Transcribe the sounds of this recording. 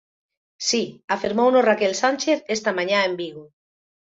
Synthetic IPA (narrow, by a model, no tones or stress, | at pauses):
siafiɾmownosrakelsanʲt͡ʃeθest̪amãɲaembiɣo